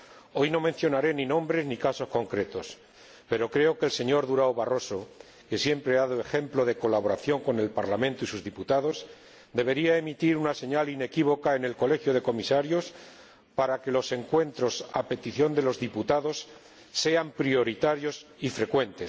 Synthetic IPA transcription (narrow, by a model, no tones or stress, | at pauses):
o̞jno̞mẽ̞n̟θjo̞naɾe̞ninõ̞mbɾe̞znikaso̞sko̞ŋkɾe̞t̪o̞s | pe̞ɾo̞kɾe̞o̞kelse̞ɲo̞ɾðuɾaoβaro̞so̞ | ke̞sje̞mpɾeaðaðoe̞xe̞mplo̞ð̞e̞ko̞laβo̞ɾaθjo̞ŋko̞ne̞lpaɾlamẽnt̪oisuzðiput̪aðo̞s | d̪e̞β̞e̞ɾiae̞mit̪iɾunase̞ɲaline̞kiβ̞o̞kae̞ne̞lko̞le̞xjoð̞e̞ko̞misaɾjo̞s | paɾake̞lo̞se̞ŋkwe̞nt̪ɾo̞sape̞t̪iθjo̞nd̪e̞lo̞zðiput̪aðo̞sː | e̞ampɾio̞ɾit̪aɾjo̞sifɾe̞kwe̞nt̪e̞s